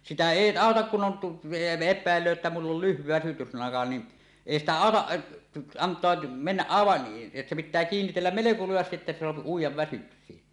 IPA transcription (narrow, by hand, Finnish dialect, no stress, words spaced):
sitæ eˑi ɑˑotɑk kun on tu epˑæˑelːøː etːæ mulː ol lyhʋi ʋæsytyslɑŋkɑ ni eˑi stæ ɑˑotɑʔ ʔɑ ɑntˑoɑ menːæʔ ʔɑˑeʋɑʔ se pitˑæː kiːnːitelːæm meleko lujɑstiʔ ʔetːæ se soɑpi uijˑɑʋ ʋæsyksiː